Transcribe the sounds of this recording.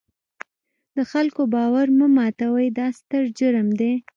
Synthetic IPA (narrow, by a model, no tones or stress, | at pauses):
d̪əxalkobɑwaɾməmɑt̪awəjd̪ɑst̪əɾd͡ʒəɾəmd̪e